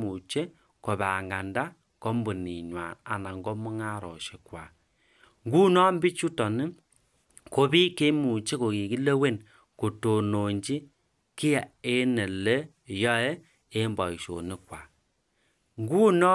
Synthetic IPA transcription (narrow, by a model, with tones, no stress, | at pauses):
mu˨t͡ʃe˦ | ko˨βa˨ŋɡa˨nda˦ | ko˦mbo˨ni˨ɲwa̰˨na˨na˨ŋɡɔ˦mu˦ŋa˦ɾɔ̰˨ʃe˨kwa˨ | ŋɡu˦nɔ˦mbi˦t͡ʃu˦tɔ˨ni˦ | ko˨˦bi˦ke˦mu˨t͡ʃe˦ko˨ki˨ki˦le˦we˦˨n | ko˨to˨no˨ɲd͡ʒi˦ | ki˦ja˨e˦ne˨le˦˨ | jɔ˦e˦ | e˦mbɔ˨i˨ʃo̰˨ni˦kwa˨ | ŋɡu˦nɔ˦